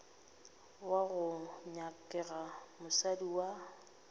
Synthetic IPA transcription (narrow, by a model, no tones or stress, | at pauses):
waɣʊɲakʼɛɣamʊsadiwa